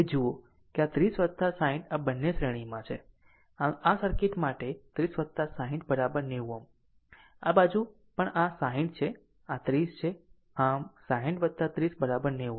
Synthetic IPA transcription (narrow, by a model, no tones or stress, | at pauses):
ed͡ʒuo | keat̪ɾisʋəd̪̚t̪asaɦĩʈabənːesɾeɽ̃imãt͡ʃʰe | aasəɾkeʈmaʈet̪ɾisʋəd̪̚t̪ːasaɦĩʈ̚bəɾabəɾneʋũam | a̰bad͡ʒũ | pəɳasaɦĩɳʈt͡ʃʰe | at̪ɾist͡ʃʰe | asaɦĩʈʋəd̪̚t̪ːat̪ɾisbəɾabəɾneũ